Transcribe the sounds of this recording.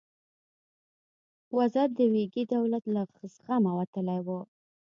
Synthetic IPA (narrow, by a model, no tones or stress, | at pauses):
wazad̪əweɡid̪awlat̪laxəsxamawat̪əlajwə